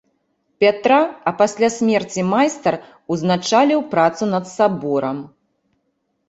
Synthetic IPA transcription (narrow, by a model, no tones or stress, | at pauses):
pʲat̪ɾaɐpasʲlʲasʲmʲɛrt͡sʲimajst̪ɐr | uznat͡ʂalʲiwpɾat̪sunɐt̪sabɔɾɐm